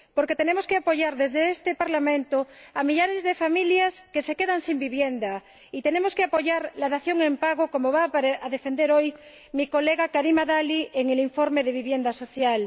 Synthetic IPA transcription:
poɾke̞t̪enemoskeapo̞ʝaɾðezðeest̪epaɾlamẽnt̪oamiʎaɾezðefamiljaskese̞keðaŋsimbiβjend̪a | it̪e̞nemoskeapo̞ʝaɾlaðaθjoŋempaɣoko̞moβaaðefend̪eɾoj | miko̞leɣakaɾimaðaliʔeŋeliɱfoɾmeðeβiβjend̪asoθjal

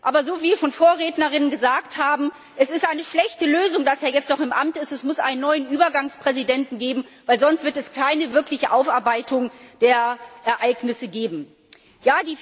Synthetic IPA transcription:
ʔaːbɐzoːviːiʃoːnfoːɐʁeːtnɐʁɪnənɡəzaːkthaːbm̩ | ʔɛsɪstʔaɪnəʃlɛçtəløːzʊŋdaseːɐjɛt͡stnɔχɪmʔa̰mtɪstɛsmʊsʔa̰ɪnənːɔʏənʔyːbɐɡaŋspʁ̥ɛzidɛntn̩ɡeːbm̩vaɪlzɔnstv̥ɪɐtɛskʰaɪnəvɪɐklɪçəʔaʊfaɐbaɪtʊŋd̥eːɐʔɛɐʔaɪknɪsəɡeːbm̩ | jaːdiː

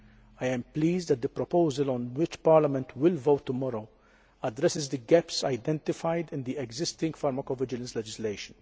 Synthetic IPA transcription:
ɐjɛ̃mpliːzd̪ɛt̪̚d̪əpɾɔpowzɐlɔ̃nwɪt͡ʃpɐɾlɐmɛ̃nt̪wɪlvowt̪ːʊmɔɾoʊ | ɐd̪ɾɛsɪzd̪əɡɛpsɐjd̪ɛ̃nt̪ɪfajd̪ɪ̃nd̪iɛɡzɪst̪ɪ̃ŋɡfɐɾmɐkovɪd͡ʒɪlɐ̃nslɛd͡ʒɪslejʃə̃n

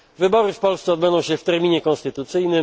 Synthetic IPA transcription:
vɘbɔɾɘfpɔlst̪sɛɔd̪̚bɛnd̪ɔ̃w̃ɕɛft̪ɛɾmʲiɲɛkɔ̃nst̪ɘt̪ut̪sɘjnɘ

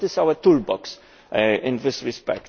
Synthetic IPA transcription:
tɪsawət̪uɹbɔks | ɪ̃nðɪsɹɪspɛ̰kt

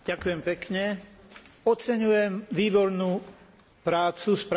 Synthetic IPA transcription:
ɟ̥akujɛmpɛkɲɛ | ɔt͡sɛɲujɛmʋiːbɔɾnu | pɾaːt͡suspɾ

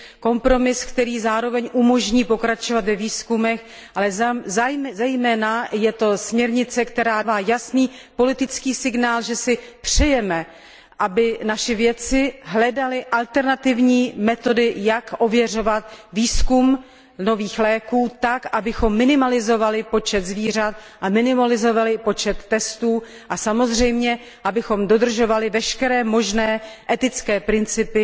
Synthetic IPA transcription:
ko̞mpɾo̞mɪskt̪ɛɾiːzaːɾo̞vɛɲʔumo̞ʒɲiːpo̞kɾat͡ʃovat̪vɛviːskumɛx | ʔalɛzjmɛzɛjmɛːnajɛt̪o̞smɲɛɾɲɪt͡sɛkt̪ɛɾaːvaːjasniːpo̞lɪt̪ɪt͡skiːsɪɡnaːlʒɛsɪpr̝̥ɛjɛmɛ | ʔabɪnaʃɪvjɛt͡sɪɦlɛdalɪʔalt̪ɛɾnat̪ɪvɲiːmɛt̪o̞dɪjakʔo̞vjɛr̝o̞vat̪viːskum | no̞viːxlɛːkuːt̪akʔabɪxo̞mːɪnɪmalɪzo̞valɪpo̞t͡ʃɛt̪zviːr̝at̪ | ʔamɪnɪmalɪzo̞valɪpo̞t͡ʃɛt̪ːɛst̪uː | ʔasamo̞zr̝ɛjmɲɛ | ʔabɪxo̞mdo̞d̪r̩ʒo̞valɪvɛʃkɛɾɛːmo̞ʒnɛːʔɛt̪ɪt͡skɛːpɾɪnt͡sɪpɪ

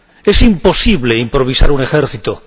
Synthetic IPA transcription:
esimpo̞siβleimpɾo̞β̞isa̰ɾune̞xeɾθit̪o

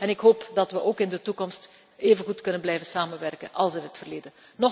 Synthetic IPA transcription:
ɛnɪkɦoːpdɑtʋəʔoːkɪndətukɔmst | eːvənɣutkɵnənblɛjvənsaːmənʋɛrkə̰nʔɑ̰lˠsɪnɦətfərleːdən | nɔ

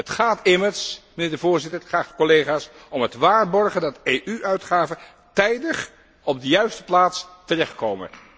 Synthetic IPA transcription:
ətχaːtɪməɹsmənɪːɹdəvʊːɹzɪtəχaːχkolejχaːsɔmɦətʋaːɹbɔɹχəndɑtejʔyʔœɥtχaːvə | tɛjdəχ | ɔb̚dəjœɥstə̥plaːtstərɛχtkowmə̰

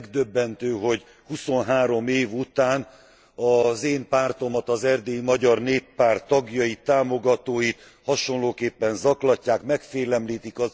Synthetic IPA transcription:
ɡd̪øbːɛnt̪øːɦo̞ɟ | huso̞nɦaːɾo̞meːvut̪aːn | ɒzeːmpaːrt̪o̞mɒt̪ɒzɛrd̪eːjimɒɟɒrneːpːaːrt̪ːɒɡjɒjit̪ːaːmoɡɒt̪oːjit̪ | hɒʃo̞nloːkeːpːɛnzɒklɒcːaːkmɛkfeːlɛmliːt̪ikɒ

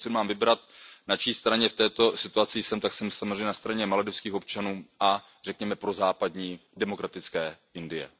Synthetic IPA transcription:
t͡sɛmaːmvɪbɾat̪nat͡ʃiːst̪ɾaɲɛft̪ɛːt̪o̞sɪt̪uat͡sɪjsɛmt̪aksɛmsamozrejɲɛnast̪ɾaɲɛmalɛdɛfskiːxo̞p̚t͡ʃanuːʔa | r̥ɛkɲɛmɛpɾo̞zaːpadɲiːdɛmo̞kɾat̪ɪt͡skɛːʔɪndɪjɛ̰

